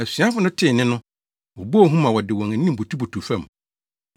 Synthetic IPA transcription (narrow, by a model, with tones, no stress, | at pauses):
æ˨si˨a˦fʊ˦nʊ̃˦tʰɪ˦˨nɪ̃˦nʊ̃˦ | o˨bo˦˨ɦũ˦mã˨wɔ˨dɪ˨wɔ̃˨ŋæ˨nĩ˦m˨bo˨tʰu˦bo˨tʰu˨fæ̃˦˨m˨